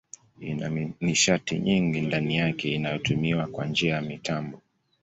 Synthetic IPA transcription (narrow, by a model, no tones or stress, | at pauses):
ina̰niʃatḭɲiŋɡindanijakɛinajɔtumiwakwand͡ʒiajamitʰambɔ